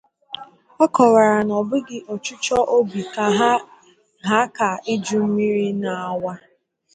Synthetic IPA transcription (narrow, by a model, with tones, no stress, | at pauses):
ɔ˦kɔ˨ɾa˨ɾa˨nɔ˨bʊ˦ɡɪ˦ʔɔ˨t͡ʃʊ˦t͡ʃɔ˦ʔo˦bi˨ka˨ɦa˦ | ɦa˦ka˨ɪ˦d͡ʒu˦m̩˦mi˦ɾi˦na˨a˨wa˦